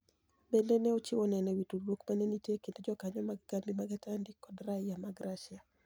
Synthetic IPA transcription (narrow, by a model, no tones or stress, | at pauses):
bendenɛot͡ʃiwɔnɛnɛwitulwokmanenitekendod͡ʒɔkaɲɔmaɡɡambimaɡɛtandikɔdraɪjamaɡɾʔaʃɪa